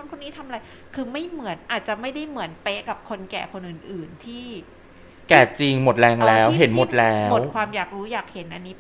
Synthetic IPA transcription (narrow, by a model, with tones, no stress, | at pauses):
nkʰo˧nːiː˦˥t̪ʰa˧ma˧ɾa˧j | kʰɯː˧ma˥˩jmɯ˩˦ənʔaː˨˩t̪̚t͡ɕa˨˩ma˥˩jda˥˩jmɯ˩˦ənpe˦˥ka˨˩p̚kʰo˧nkɛː˨˩kʰo˧nʔɯː˨˩nʔɯː˨˩nt̪ʰiː˥˩ | kɛ˧˨˩t͡ɕi˧ŋmo˨˩t̪̚lɛː˧ŋlɛː˧˦˥wɦe˩˦nmo˨˩t̪̚lɛː˦˥˦mo˨w̚kʰwaː˧mjaː˨˩k̚ɾuː˦˥jaː˨˩k̚he˩˦nʔa˧nːiː˦˥